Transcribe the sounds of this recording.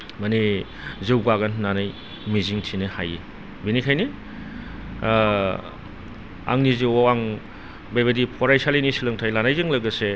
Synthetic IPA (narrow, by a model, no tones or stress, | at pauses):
mɐni | zɯwɡaɡannanaj | miziŋtʰinɯhaji | binikʰajni | a̰ŋniziwwaŋ | bajβɐdipʰɔɾajsalinisilɯŋtʰajlanajzɯŋlɐɡɐse